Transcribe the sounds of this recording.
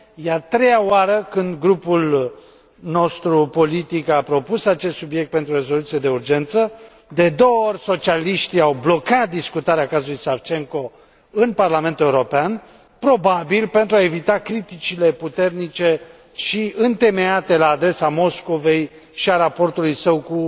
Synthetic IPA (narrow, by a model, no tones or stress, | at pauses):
jeat̪ɾe̞jaoaɾəkɨnd̪ɡɾupul | no̞st̪ɾupo̞lit̪ikapɾo̞pusat͡ʃest̪subje̞k̚t̪̚pe̞nt̪ɾuoɾe̞zo̞lut̪sije̞d̪e̞urd͡ʒe̞nt̪sə | d̪e̞d̪o̞oorʲso̞t͡ʃialiʃt̪iawblo̞kat̪̚d̪iskut̪aɾeakazulujsavt͡ʃe̞ŋko̞ | ɨnparlame̞nt̪ue̞uɾo̞pean | pɾo̞babilpe̞nt̪ɾuae̞vit̪akɾit̪it͡ʃile̞put̪e̞rnit͡ʃe̞ | ʃiɨnt̪e̞me̞at̪e̞laːd̪ɾe̞samo̞sko̞ve̞j | ʃiaɾapo̞rt̪ulujsəwku